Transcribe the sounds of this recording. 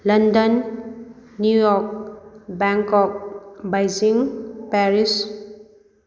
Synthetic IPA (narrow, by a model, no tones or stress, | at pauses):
lʌndənː | jujɔk̚bɛŋkɔk̚bajziŋpɛɾis